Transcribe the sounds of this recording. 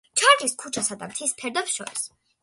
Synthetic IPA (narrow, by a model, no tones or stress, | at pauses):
t͡ʃʰaɾkiskʰut͡ʃʰasad̪a̰mt̪ʰispʰɛɾd̪ɛpsʃɔ̰ɾis